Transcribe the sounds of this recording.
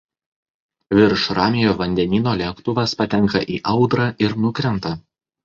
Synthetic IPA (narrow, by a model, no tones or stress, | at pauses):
ʋʲɪɾʃɾɑːmʲɪjoːʋɐnʲd̪ʲɛnʲiːnoːlʲɛkt̪ʊʋɐspɐt̪ʲɛŋˑkɐʔiːʔɐʊd̪ɾɑʔɪɾnʊkɾʲɛnˑt̪ɐ